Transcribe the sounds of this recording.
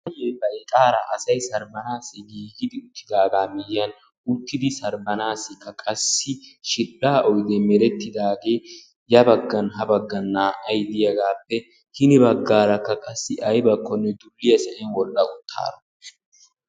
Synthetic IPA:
ɐjɛːbɐjk̪ʼaːɾɐʔɐsɐjsɐɾbɐnaːsːɪɡiːɡɪd̪ɪʊt̪ʰːɪd̪aːɡaːmɪjːɐn | ʊt̪ːɪd̪ɪsɐɾbɐnaːsːɪkːɐkʼɐsːɪʃɪᶑaːʔɔjd̪ɛmɛɾɛt̪ːɪd̪aːɡe̞ː | jɐbɐɡːɐnɦɐbɐɡːɐnːaːʔɐjd̪ɪjɐɡaːpːɛ | hɪnɪbɐɡːaːɾɐkːɐkʼɐsːɪʔɐjbɐkʰːɔnːɛd̪ʊlːɪjɐsɛʔɛnwɔlːɐʊt̪ʰːa̰ːɾɐ

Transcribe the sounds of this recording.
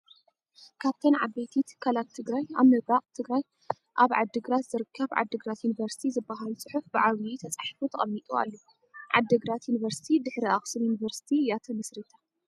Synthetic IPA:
kʰaβt̪ʰɐnʕabet̪ʰit̪kʰːalat̪ʰːɨɡɾaja̰βmɨɡaqʼt̪ʰɨɡɾaj | ʔaβʕa̰d̪ːɨɡɾat̪zɨɾɨkʰːɐβʕa̰d̪ːɨɡɾat̪junivɐɾsi̥t̪ʰizɨbːaɦalt͡sʼɨħufbɨʕaβit̪ʰɐt͡sʼaħfut̪ʰɐχʼɐmmit̪ʼua̰lːu | ʕa̰d̪ːɨɡɾat̪juniβɐɾsi̥t̪ʰid̪ɨħɾiaχʼsɨnjunivɐɾsi̥t̪ʰijat̪ʰɐmɨsɾit̪ʰa

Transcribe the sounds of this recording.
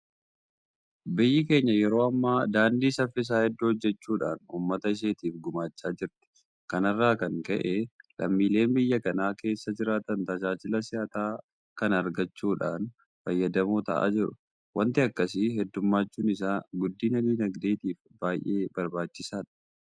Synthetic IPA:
bɪjːɪke̞ːɲːɐjɛɾo̞ːɐmːaːd̪aːnd̪iːsɐfːɪs̬aːhɛd̪ːohɔd͡ʒːɛt͡ʃːuːᶑa̰ːnuːmːɐt̪ɐɪʃ̬eːt̪iːfɡʊmaːt͡ʃːaːd͡ʒɪɾt̪ɪ̥ | kɐnɐrːaːkɐŋkɐʔelʔɐ̰mːiːle̞ːnbɪjːɐkɐnaːke̞ːsːɐd͡ʒɪɾaːt̪ɐnt̪ɐd͡ʒaːt͡ʃɪlɐsɪjaːt̪aː | kɐnɐɾɡɐt͡ʃːuːᶑa̰ːn | fɐjːɐd̪ɐmuːt̪ɐ̰ʔa̰ːd͡ʒɪɾʊ | wɐnt̪ɪɐkːɐsɪɦɛd̪ːʊmːaːt͡ʃːuːnɪs̬aːɡʊd̪ːiːnɐd̪iːnɐɡd̪eːt̪iːf | b̥aːjʔe̞ːbɐɾbaːt͡ʃːɪsaːᶑɐ̥

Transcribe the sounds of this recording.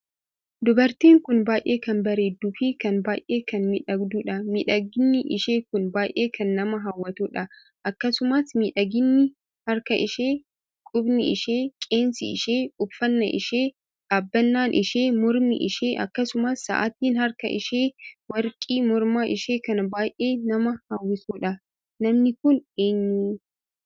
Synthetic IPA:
d̪ʊbɐɾt̪iːŋkʊnbaːjʔeːkɐnbɐɾeːd̪ʊfikɐnbaːjʔeːkɐnmɪᶑɐɡd̪uːᶑɐmɪᶑɐɡɪnːɪʔɪʃeːkʊnbaːjʔeːkʰɐnːɐmɐɦɐwːɐt̪uːᶑɐ | ʔɐkːɐsʊmɐsmɪᶑɐɡɪnːɪ | hɐɾkɐʔɪʃeː | kʼʊbnɪɪʃeːkʼeːnsɪɪ̰ʃeːʊbfɐnːɐ̰ʔɪ̰ʃeː | ᶑaːbːɐnːaːnʔɪʃeːmɔɾmɪ̰ʔɪ̰ʃeːʔɐkːɐsʊmɐsːɐ̰ʔat̪iːnhɐɾkɐ̰ʔɪ̰ʃeːwɐɾkʼiːmɔɾmaːʔɪʃeːkɐnɐbaːjʔe̞ːnɐmɐhawːɪsuːᶑɐ | nɐmnɪkʊneːɲːuː

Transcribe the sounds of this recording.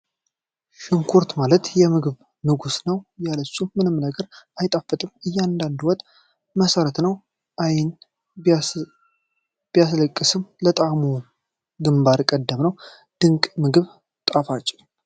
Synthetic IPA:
ʃɨŋkʰuɾt̪malət̪jɛmɨɡɨβ | nɨɡusnəwjalət͡ʃːumɨnɨmnəɡəɾajt̪ʼafːɨt̪ʼɨmɨjːand̪and̪uwɔt̪ʼ | məsəɾət̪nəw | ʔajɪn | b̥ijasləkʼːɨsɨmlət̪ʼamu | ɡɨmbaɾkʼəd̪ːəmnəw | d̪̥ɨŋkʼmɨɡɨβ | t̪ʼafat͡ʃʼːɪ

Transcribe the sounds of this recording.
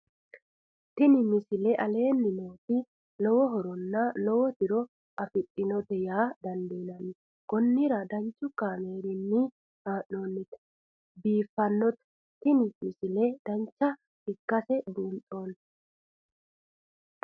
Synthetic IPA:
t̪ɪnɪmɪsɪlɛʔɐle̞ːnːɪmo̞ːt̪ɪ | lɔwɔɦɔɾɔnːɐlɔwɔt̪ɪɾɔ | ʔɐfɪtʼːɪnɔt̪ɛjaːd̪ɐnd̪eːnɐnɪ | ɡ̥ɔnːɪɾɐd̪ɐnt͡ʃʼːʊkːaːme̞ːɾɪnːi | haːʔoːnːɪt̪ | biːfːɐnːɔt̪ɛ̥ | t̪ɪnɪmɪsɪled̪̥ɐnt͡ʃːɐ | ɪkːɐsɛd̪uːntʼo̞ːn

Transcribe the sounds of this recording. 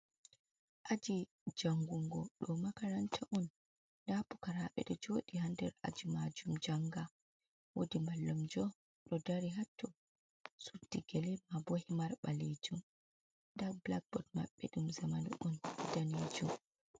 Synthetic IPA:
ʔad͡ʒi | d͡ʒaŋɡuŋɡɔɗɔmakaɾantʰaʔɔn | dapukaɾaɓɛ̰ɗɔd͡ʒoːɗihandɛɾa̰d͡ʒimad͡ʒumd͡ʒaŋɡa | wodimbalːumd͡ʒɔ | ɗɔdaɾiɦatːu | sudiɡɛlɛmabohimaɾɓaled͡ʒum | ɗablak̚bɔtma̰ɓːɛɗumzamanṵʔɔndaned͡ʒum

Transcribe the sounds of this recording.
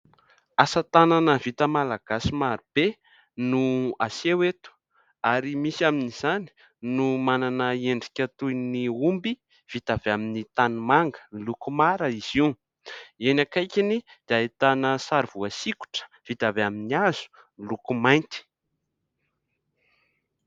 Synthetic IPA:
asat̪ananəvit̪əmalaɡ̥asimaɾib̥e | nuasewet̪u̥ | aɾimisiaminiz̥ani̥ | numananəeɳɖ͡ʐi̥kʲat̪ujniumbi | v̥it̪aveaminit̪anumaŋɡə̥nilukumaɾəiz̥i | enakajkʲinid̪̥eait̪anəsaɾv̥uasiku̥ʈ͡ʂə̥ | v̥it̪aveaminiaz̥u̥ | nilukumajnt̪i̥

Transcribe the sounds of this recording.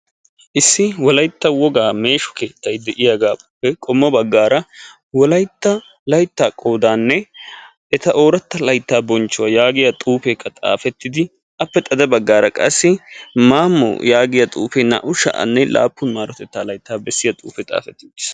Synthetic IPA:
ʔɪsːɪwɔlɐjt̪ːɐwɔɡaːme̞ːʃʊ̥keːt̪ːɐjd̪ɛʔɪjaɡaːpːɛkʼɔmːɔbɐɡːaːɾɐ | wɔlɐjt̪ːɐ | lɐjt̪ːaːkʼo̞ːd̪aːnːɛ | ɛt̪ɐʔo̞ːɾɐt̪ːɐlɐjt̪ːaːbɔnt͡ʃːʊwɐjaːɡɪjɐt̪ʼuːfeːkʰːɐt̪ʼa̰ːfɛt̪ːɪd̪ɪ | ʔɐpːɛt̪ʼɐd̪ɐbɐɡːaːɾɐkʼɐsːɪmaːmːɔ̰jaːɡɪjɐt̪ʼuːfɛnɐ̰ʔʊʃɐ̰ʔɐ̰nːɛlʔa̰ːpːʊnmaːɾɔt̪ɛt̪ːaːlɐjt̪ːaːbɛsːɪjɐt̪ʼṵːfɛt̪ʼa̰ːfɛt̪ːɪds

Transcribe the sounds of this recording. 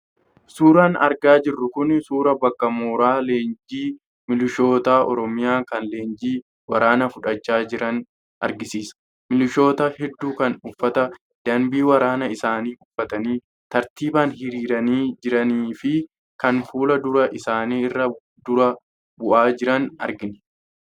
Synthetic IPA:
suːɾanɐ̰ɾɡaːd͡ʒɪrːʊkʊnsuːɾɐbɐkːɐmoːɾaːle̞ːnd͡ʒiː | mɪlɪʃo̞ːt̪aːʔɔ̰ɾɔmɪjaːkɐnle̞ːnd͡ʒiː | wɐɾaːnɐfʊᶑɐt͡ʃːaːd͡ʒɪɾɐn | ʔɐ̰ɾɡɪsiːsɐ̥ | mɪlɪʃo̞ːt̪ɐhɛd̪ːuːkɐnʊfːɐt̪ɐ | d̪̥ɐmbiːwɐɾaːnɐɪsaːniːʔʊfːɐt̪ɐniː | t̪ɐɾt̪iːbɐnhɪɾiːɾɐniːd͡ʒɪɾɐniːfɪ | kɐnfuːlɐd̪ʊɾɐʔɪsaːniːɪrːɐ | d̪ʊɾɐ | bʊʔaːd͡ʒɪɾɐnɐɾɡɪn

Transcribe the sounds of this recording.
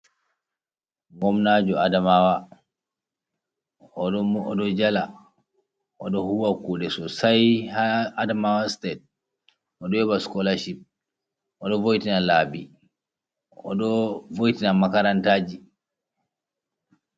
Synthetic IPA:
ŋɡɔmnad͡ʒɔadamawa | ɔɗɔɔɗɔd͡ʒala | ɔɗɔhuwakuɗɛsɔsajhaadamawastɛt̚ | ʔɔɗɔjɔbaskɔlaʃip̚ | ʔɔɗɔvojtinalabi | ɔ̰ɗɔvojtinamakaɾantaːd͡ʒi

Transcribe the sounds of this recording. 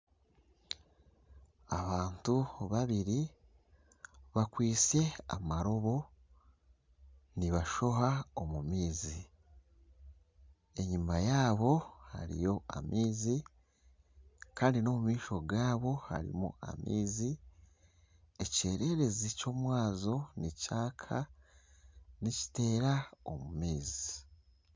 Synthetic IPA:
aβaːntuβaβiɾi | βakwiːse̞a̰maɾo̞βo̞ | niβaʃo̞ɦao̞mumiːzi | e̞ɲumajaːβo̞ha̰ɾḭjo̞a̰mʔiːzi | kaːndino̞mumiːʃo̞ɡaːβo̞ha̰ɾḭmṵa̰mʔḭːzi | ece̞ːɾe̞ɾe̞zico̞ːmwaːzo̞nicaːkʰa | nici̥te̞ːɾao̰mumiːzi

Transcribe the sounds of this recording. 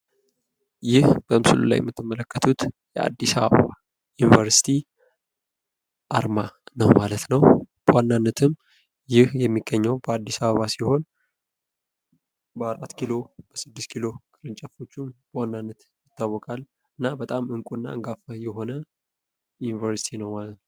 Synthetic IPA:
jɪhb̥əmsɨlṵla̰jɛ̰mːɨt̪ʰːɨmːələkːət̪ʰut̪jɛa̰d̪ːisaβə̰ββa | junivəɾsi̥t̪ʰi | ʔaɾmanəwmalət̪nəwb̥əwanːanːət̪ʰɨm | jɪhjɛmːiɡːəɲːəwbəad̪ːisaβəβasiho̞n | bəaɾʔat̪kʰilo̞b̥əsɨd̪ːɨst̪kʰilo̞kʼɨɾɨnt͡ʃʼɛfo̞t͡ʃːumb̥əwanːanːət̪ | jɪt̪ːawːɔkʼal | ɨnːabət̪ʼamɨŋkʼunːa̰ɨŋɡafəjɛɦo̞nə | junivəɾsi̥t̪ʰinəwmalt̪n

